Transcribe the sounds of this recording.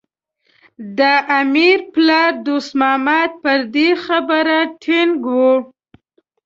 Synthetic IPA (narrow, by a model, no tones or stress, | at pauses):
d̪əʔamiɾplɑɾd̪usmɑmat̪̚pəɾd̪exabəɾaʈʰeŋɡwu